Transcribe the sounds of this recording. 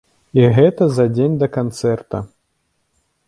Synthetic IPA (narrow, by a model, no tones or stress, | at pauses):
iɣɛt̪ɐzɐd͡zʲenʲd̪ɐkant̪sɛrt̪ɐ̰